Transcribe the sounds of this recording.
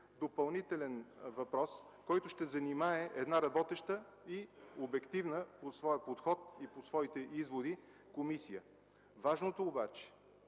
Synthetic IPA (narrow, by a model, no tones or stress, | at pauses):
d̪opɐlˠnit̪ɛlɛnvɐpɾɔs | kɔjt̪ʊʃt̪ɛzɐnimaɛʔɛd̪naɾɐbɔt̪ɛʃt̪ə | iobɛkt̪ivnəposvɔjəpot̪xɔt̪̚iposvɔit̪ɛʔizvod̪i | komisijə | vaʒnot̪oːbat͡ʃɛ̥